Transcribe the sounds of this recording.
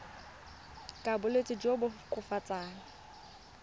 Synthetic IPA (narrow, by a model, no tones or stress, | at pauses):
kʼabʊlet͡sʼɪd͡ʒobʊkʼʊfat͡sʼaːŋa